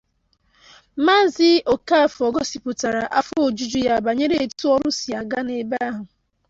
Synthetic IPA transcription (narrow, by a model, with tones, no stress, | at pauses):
ma˦zɪ˦ʔo˨ka˦˨fɔ˨ɡɔ˦si˨pʊ˨ta˨ɾa˨ʔa˦fʊ˦o˨d͡ʒu˦d͡ʒu˦ja˦˨ba˨ɲe˦ɾe˦e˨tu˦ɔ˦ɾʊ˦si˨a˨ɡa˦ne˨ba˦a˦ɦʊ˨